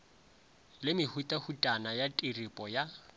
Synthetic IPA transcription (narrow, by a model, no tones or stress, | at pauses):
lɪmɪhutʼahutʼanajatʼiripʼɔja